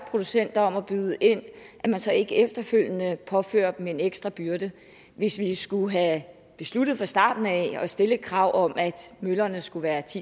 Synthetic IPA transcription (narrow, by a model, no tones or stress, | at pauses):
pʰʁo̝d̥usen̰d̥ɐɒ̽mɒb̥yð̞ˠəʔe̝n̰ʔæmænsɒ̽e̝ɡ̥əefd̥ɐføl̰jənəpʰɒ̽fø̰ːɐ̰̥mee̝neɡ̥sd̥ʁɑ̈b̥yɐd̥ə | ʋe̝sʋisɡ̥uɦæ | b̥e̝slud̥ð̞̩ˠfɑ̈sd̥ɑ̰̈ːd̥n̩æɒ̽sd̥e̝ləkʰʁɑ̈ʊ̰ʔɒ̽mʔæd̥mølɐnəsɡ̥uʋæːɐt͡sʰḭ